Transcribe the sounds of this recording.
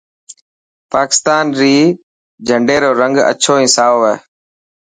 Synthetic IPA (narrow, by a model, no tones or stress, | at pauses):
paːkɪ̥st̪aːnɾiː | d͡ʒʱəɳɖeːɾoːɾə̃ŋɡə̰t͡ʃʰoːĩːsaːoːʋeː